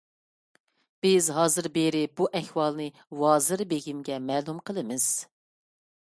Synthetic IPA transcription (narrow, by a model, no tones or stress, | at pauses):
b̥ɪzɦɑːzɨɾbeɾɪbuʔɛhwɑlˠnɨ | wɑːzɨɾbeɡʲimɡʲɛmɛːlˠumqʰəlˠɨmɪz̥